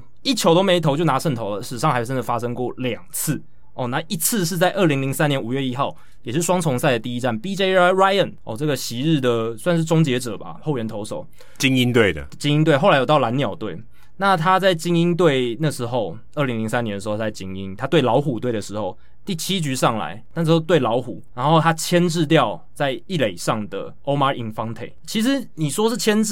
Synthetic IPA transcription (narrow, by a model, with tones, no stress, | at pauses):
i˥˩t͡ɕʰjo˧˥ʊt̪o˥me˧˥ɪt̪ʰo˧˥t͡ɕjo˥˩ʊna˧˥ʂə˥˩nt̪ʰo˧ʊlə˨ʂɻ̩˨˩ʂɑ˥˩ŋha˧˥ɪʈ͡ʂə˥nd̪ə˨˩fa˦˥ʂɤ˥ŋkwɔ˥˨ljɑ˨˩ŋt͡s̩ʰ˥˩ | ɔ˨˩na˧˦ʔi˧˥t͡s̩ʰ˥˧ʂ̬ɻ̩˥˧t͡sa˥˧ɪʔə˥˩li˧˥ŋli˧˥ŋsa˦njɛ˧˦nu˨˩ɥɛ˥˧i˦˥xɑ˥˩ʊ | jɛ˨˩ʂɻ̩˥˩ʂwɑ˥ŋt͡sʰʊ˧˥ŋsa˥˩ɪd̪ə˩t̪i˥˧i˦˥ʈ͡ʂa˥˩npi˥t͡ɕe˥ɪ˥ɹa˥ɪə˥˩nɔ̰˨˩ʈ͡ʂɤ˥˩ɡə˩ɕi˧˦ɻɻ̩˥˩d̪ə˩swa˥˧nʂ̬ɻ̩˥˩t͡sʊ˥ŋt͡ɕjɛ˧˥ʈ͡ʂə˨˩ba̰˦xo˥˩ʊɥɛ˧˥nt̪ʰo˧˥ʊʂo˨˩˦ʊ | t͡ɕi˥ŋi˦˥nt̪we˥˩ɪd̪ə̰˩t͡ɕi˥ŋi˥nt̪we˥˩ɪxo˥˩la˧˥jt̪ɑ˥˩ʊla˧˦˥njɑ˨˩ʊt̪we˥˩ɪ | na˥˨t̪ʰa˥t͡sa˥˩ɪt͡ɕi˥ŋi˥nt̪̬we˥˩ɪna˥˩ʂɻ̩˧˥xo˥˧ʊ | ə˥˩li˧˥ŋli˧˥ŋsa˦njɛ˧˦ndə˩ʂ̬̩˩˧˥o˥˩˥t͡sa˥˩t͡ɕi˥ŋi˦nt̪ʰa˦t̪we˥˩ɪlɑ˧˥ʊxu˨˩t̪we˥˩ɪd̪ə˩ʂɻ̩˧˥xo˥˧ʊ | t̪i˥˩t͡ɕʰi˥t͡ɕy˧˥ʂɑ˥˩ŋla̰˧˥ɪna˥˩ʂ̩˧˨˧xo˥˧t̪we˥˩ɪlɑ˧˥ʊxṵ˨˩˦ɻa˧˥nxo˥˩ʊt̪ʰa˦t͡ɕʰjɛ˥nʈ͡ʂɻ̩˥˧t̪̬jɑ˥˨ʊ | t͡sa˥˧ɪi˥˩le˨˩ɪʂɑ˥˩ŋd̪ə̰˩ | o˥ʊma˧˥i˧˩ŋfɑ˥ŋt̪ʰḛ˨˩ɪt͡ɕʰi˧˥ʂ̬ɻ̩˧˦ni˨˩ʂwɔ˥ʂɻ̩˥˩t͡ɕʰjɛ˥n̩˥